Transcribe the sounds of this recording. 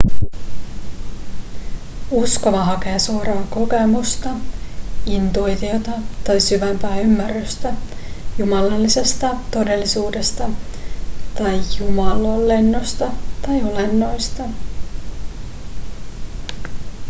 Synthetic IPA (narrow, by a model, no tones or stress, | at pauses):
usko̞ʋɑɦɑkeːsuoɾɑːko̞ke̞must̪ɑ | int̪ujt̪io̞t̪ɑt̪ɑjsyʋæmpæːymːærːyst̪æjumɑlɑlːise̞st̪ɑt̪o̞de̞lːisuːde̞st̪ɑ | t̪ɑjjumɑlolːe̞nːost̪ɑt̪ɑjo̞le̞nːo̞jst̪ɑ